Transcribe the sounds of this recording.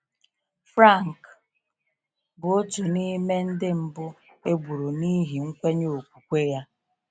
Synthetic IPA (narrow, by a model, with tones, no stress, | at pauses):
fɾa˦˨ŋ̩˨k | bʊ˨o˦tu˨ni˦me˦n̩˦dɪ˦m̩˨bʊ˦ | e˦ɡ͡bu˨ɾu˨ni˦ɦi˨ŋ̩˦kʷe˦ɲo˨o˨k̚ʷu˨kʷe˦ja˦